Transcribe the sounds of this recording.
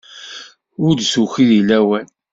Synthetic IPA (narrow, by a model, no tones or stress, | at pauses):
ʊɾd̪suçiðilæwæn